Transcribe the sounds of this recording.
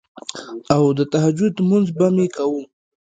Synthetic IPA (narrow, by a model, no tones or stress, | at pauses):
awd̪ət̪aɦad͡ʒʊd̪munzbamekawum